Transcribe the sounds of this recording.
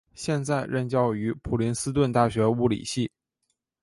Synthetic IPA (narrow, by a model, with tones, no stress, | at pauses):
ɕjɛ˥˧nt͡sa˥˧ɪɻə˥˧nt͡ɕjɑ˥˩ʊy˧˥pʰu˨˩li˧˥nsɹ̩˥t̪̬wə˥˧nt̪a˥˩ɕɥɛ˧˥u˥˩lḭ˨˩ɕi˥˩